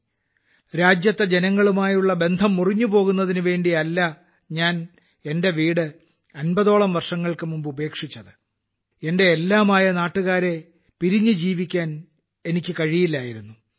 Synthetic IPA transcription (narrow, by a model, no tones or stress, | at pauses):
ɾaːd͡ʑjɐt̪ːɐd͡ʑenɐŋːɐɭumaːjuɭːɐbe̞nd̪ʱɐmːuriɲːupo̞ːɣunːɐðinɨʋe̞ːɳɖiɐlːɐ | ɲaːn | e̞nde̞ʋiːɽɨ | ɐnbɐðo̞ːɭɐmʋɐrʂɐŋːɐɭkɨmumbɨube̞ːkʂit͡ɕːɐðɨ | e̞nde̞ːlːaːmaːjɐnaːʈːuɣaːɾe̞ | piɾiɲːɨd͡ʑiːʋikʲːaːn | e̞nikʲːɨkɐɻijilːaːjiɾunːu